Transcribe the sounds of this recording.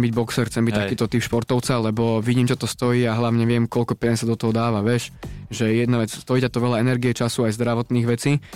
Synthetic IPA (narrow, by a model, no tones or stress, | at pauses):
mbiɟbɔksɛrxt͡sɛmbict̪akiːt̪ɔt̪ipʃpɔɾt̪ɔʊt͡salɛbɔʋiɟiːmt͡ʃɔt̪ɔst̪ɔjiːaɦlaʊɲɛʋɪɛmkɔlʎkɔpɛasad̪ɔt̪ɔɦɔd̪aːʋaʋɪɛʃʒɛjɛd̪naʋɛt͡sst̪ɔiːcɛt̪ɔʋɛʎaɛnɛɾɡiɛt͡ʃasuajzd̪ɾaʋɔt̪niːɣʋɛt͡siː